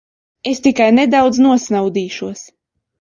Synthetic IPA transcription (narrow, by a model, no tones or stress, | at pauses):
est̪ikajned̪awd̪znuɔsnawd̪iːʃuɔs